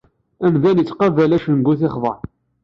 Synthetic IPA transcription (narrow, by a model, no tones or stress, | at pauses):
æmðænət͡sːqɑvælæʃənɡuθɪχðˤə̰ɾˤ